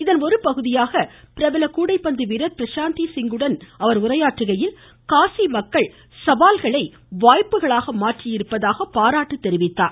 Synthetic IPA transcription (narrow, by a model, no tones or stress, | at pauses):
ɪðɐnɔɾɯpɐɣɯðɪjaːɣɐpɪɾɐʋɪlɐkuːɽɐɪpːɐnd̪ɯʋɪɾɐɾ̚pɪɾɐʃaːnt̪isɪŋɡɯɽɐnɐʋɐɾʊrɐjaːʈrɯɣɐjɪl | kaːsimɐkːɐɭ | sɐʋaːlɣɐɭɐɪ | ʋaːjpːɯɣɐɭaːɣɐmaːʈrɪjɪɾɯpːɐðaːɣɐpːaːɾaːʈːɯt̪ːɛɾɪʋɪt̪ːaːɾ